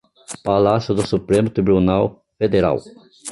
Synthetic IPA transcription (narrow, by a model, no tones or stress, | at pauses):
palasjʊd̪ʊsupɾẽmʊt̪ɾibunaw | fed̪eɾa̰w